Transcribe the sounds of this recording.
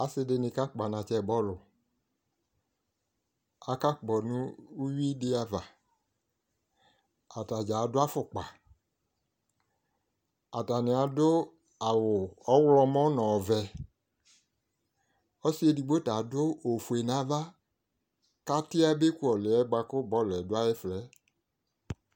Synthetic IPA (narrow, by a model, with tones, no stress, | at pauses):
a˨sɪ˧dɪ˧nɪ̃˧ka˦k͡pa˨nã˨t͡ʃɛ˦˨bɔ˦˨lʊ˨ | a˨ka˦k͡pɔ˨nũ˦u˦wi˦dɪ˦a˧va˨ | a˨ta˨d͡ʒa˨˦dʊ˦a˦fʊ˦˨k͡pa˨ | a˨ta˨nɪ̃˨a˨dʊ˦ | a˨wʊ˨ɔ˦wlɔ˧mɔ̃˦nɔ̃˨vɛ˨ | ɔ˦si˦e˧di˧ɡ͡bo˦ta˨do˦o˨fu˨e˨nã˨˦va˦ | ka˦ti˦a˦be˦ku˦ɔ˨lɛ˨ɛ˦ɡ͡ba˧ko˦bɔ˨˦˨lɛ˨dʊ˦a˦je˦flɛ˨˦